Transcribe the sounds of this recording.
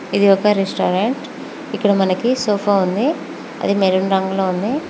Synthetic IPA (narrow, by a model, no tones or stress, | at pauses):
id̪iɔkɐɾesʈaːɾeɳʈ | ikːɐɽɐmɐnɐkisoːpʰaːund̪i | ɐ̰d̪imeɾunɾɐŋɡloːund̪i